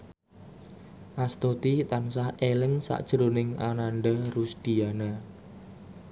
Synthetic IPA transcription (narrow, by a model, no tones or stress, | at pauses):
ʔast̪ot̪it̪ansahelɪŋsa̰ʔd̥ʒ̥əɾonɪŋa̰nanɖərusd̪̥ijana